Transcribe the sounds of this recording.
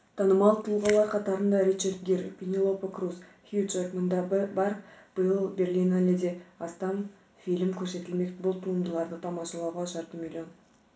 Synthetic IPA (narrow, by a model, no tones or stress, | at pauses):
t̪ʰɑnəmɑlˠət̪ʰəlˠʁɑlˠɑɾqʰɑt̪ɑɾənd̪ɑɾit͡ʃerd̪̚ɡʲeɾpʲinʲilˠo̞pakrusxut͡ʃeɾmənd̪ɑbɑɾb̥əjəlˠbʲe̞rlʲinalʲed̪eɑst̪ɑn | filɪmkʲʰɵɾse̞t̪ɪlme̞k̪bʊlˠt̪ʰuəmd̪əlˠɑɾd̪ət̪ʰɑmɑʃɑlˠɑwʁɑʃɑɾt̪əmʲilʲjo̞n